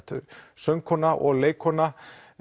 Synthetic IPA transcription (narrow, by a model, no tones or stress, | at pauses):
t̪ʏ̰ɾsœŋkʰɔnaʔɔ̰ɣleːjkʰɔnːa